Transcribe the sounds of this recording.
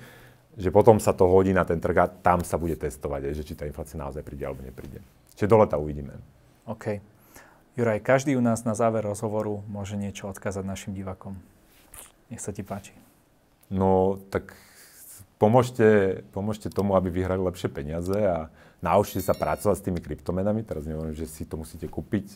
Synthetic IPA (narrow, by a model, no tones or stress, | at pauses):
ʒɛpɔt̪ɔmsat̪ɔɦɔɟiːnat̪ɛnt̪r̩ɣat̪amsabuɟɛt̪ɛst̪ɔʋaɟɦɛjʒɛt͡ʃit̪aːinflaːt͡siana̰ɔzajpɾiːɟɛalɛbɔɲɛ̰pɾḭːɟɛ̰ | t͡ʃʒɛd̪ɔlɛt̪auʋiɟiːmɛ̰ | ɔːkʰɛj | juɾajkaʒd̪iːunaːznazaːʋɛɾːɔzɦɔʋɔɾumʊɔʒɛɲɪɛt͡ʃɔɔt̪kaːzaɟnaʃimɟiʋaːkɔm | ɲɛxsacipaːt͡ʃi̥ | nɔt̪ak | pɔmʊɔʃcɛpɔmʊɔʃcɛt̪ɔmuabiʋiɦɾalilɛpʃɪɛpɛɲɪazɛa | nauʃcɛsapɾat͡sɔʋacst̪iːmikɾipt̪ɔmɛnamit̪ɛɾazɲɛʋɔɾimʒɛsit̪ɔmusiːcɛkuːpic